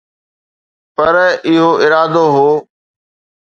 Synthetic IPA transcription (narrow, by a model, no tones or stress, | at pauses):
pɐɾɪɦoːɪɾaːd̪oːɦoː